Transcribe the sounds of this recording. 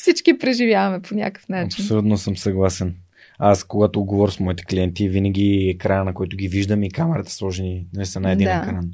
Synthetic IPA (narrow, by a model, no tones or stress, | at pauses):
fsit͡ʃkipɾɛʒivʲjavɐmɛponʲa̰kə̥fnaɐt͡ʃipnsolʲut̪nosəmsɐɡlˠasɛn | askoɡat̪oːd̪ɡovɔɾʲsmɔit̪ɛ̥klʲiɛnt̪ivinɐɡʲiɛkɾajənɐkoit̪ʊɡʲiviʒd̪əmikamɛɾɐt̪ɛ̥slˠɔʒɛninɐlisɐnaɛdd̪inɛkɾan